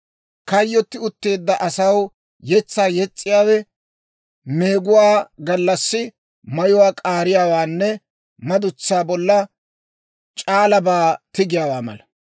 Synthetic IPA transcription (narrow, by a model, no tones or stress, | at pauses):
kɐjːɔt̪ːɪʊt̪ːe̞ːd̪ːɐʔɐsɐw | jɛt͡sːaːjɛt͡sʼːɪjaːwɛ | me̞ːɡʊwaːɡɐlːɐsːɪ | mɐjʊwaːkʼaːɾɪjaːwaːnːɛ | mɐd̪ʊt͡sːaːbɔlːɐ | t͡ʃʼaːlɐbaːt̪ɪɡɪjaːwaːmɐ̰lɐ